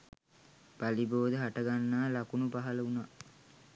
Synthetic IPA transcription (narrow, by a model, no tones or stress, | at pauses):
b̥aliboːd̪əɦaʈəɡanːaːlakunubaɦələuna